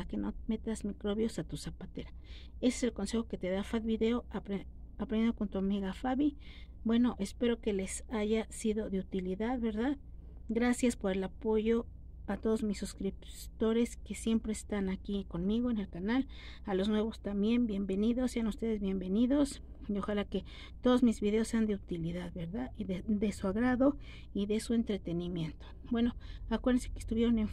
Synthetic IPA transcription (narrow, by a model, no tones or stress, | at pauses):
akenomet̪azmikɾoβjosat̪usapat̪eɾa | eseselkonse̞xoket̪eðafaðbiðeoaɾ | apɾeneokont̪uamiɣafaβibwe̞noʔespeɾokelesaʝasiðoðeut̪iliðaðβeɾðað | ɡɾasjaspoɾe̞lapoʝo | at̪oðozmisːuskɾip | t̪oɾeskesje̞mpɾeːst̪anakikonmiɣoenelkanal | alosnwe̞βost̪amjembje̞mbe̞niðosːeanust̪eðezβje̞mbeniðos | oxalake | t̪oðosmizβiðeosːeand̪eut̪iliðaðbeɾðaiðed̪esuaɣɾaðo | iðesuent̪ɾet̪enimje̞nt̪o̥ | bwenoakweɾðensekest̪uβjeɾonen